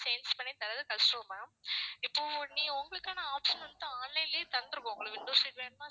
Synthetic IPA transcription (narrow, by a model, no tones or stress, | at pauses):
sɐjnspɐɳːit̪ɐɾɐðɯkɐsʈuːmãːɪpːoːnːĩːʊŋɡɐɭɯkːaːnɐaːpʂɐnʋɐnt̪ɯ̃aːnlɐjlːt̪ɐɾnd̪ɯɾɯkːõʊŋɡɐɭɐʋɪɳɖoːsiːʈʋeːɾmãː